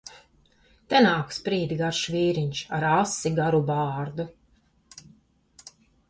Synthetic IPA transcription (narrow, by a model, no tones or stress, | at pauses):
t̪ɛnaːkspɾiːd̪iɡaɾʃviːɾiɲʃaɾasiɡaɾubɑːɾd̪u